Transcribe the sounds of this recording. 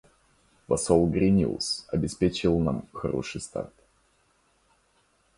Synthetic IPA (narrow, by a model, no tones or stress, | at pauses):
vɐsolˠɡɾʲɪnʲḭʊlˠsɐbʲɪspʲet͡ɕɪɪlˠnamxɐ̰ɾo̰ʂɨjst̪a̰rt̪̚